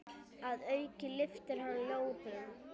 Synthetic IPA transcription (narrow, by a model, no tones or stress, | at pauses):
aðœɥcɪlɪft̪ɪɾ̥haloːwpɪða